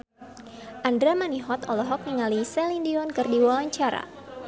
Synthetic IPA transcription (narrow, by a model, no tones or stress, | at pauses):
ʔandɾamaniɦɔt̪ɔlɔɦɔk̚niŋalisɛlindiɔnkɨrdiwawaɲt͡ʃaɾa̰